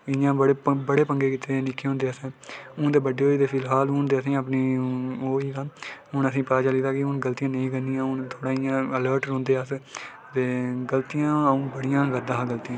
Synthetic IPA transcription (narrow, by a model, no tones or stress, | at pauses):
ɪjãːbəɽebəɽeːpəŋɡeːkiːt̪eːnɪkʰːeːɦʊ̃ːnd̪eːəsɛ̃ːʊ̃ːd̪eːbəɖeːɦoːiːd̪eːpʰɪlɦaːlʊnd̪eːəsĩːəpniːoːiːd̪aːɦʊɳəsĩːpad͡ʒaːliːd̪aːkɪʊnɡəlt̪ijãːnəĩːkənijãːɦʊnt̪ʰoːɽaːɪjãːələːɾʈɾõːnd̪eːas | t̪eːɡəlt̪ijãːəũːbəɽijãːɡəd̪ãːɡəlt̪ijãː